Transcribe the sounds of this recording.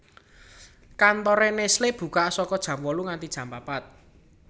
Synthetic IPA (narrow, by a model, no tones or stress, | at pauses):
kant̪ɔɾɛnesleb̥ṳkaʔsɔkɔd̥ʒ̥ä̤mwɔluŋant̪id̥ʒ̥ä̤mpapat̪̚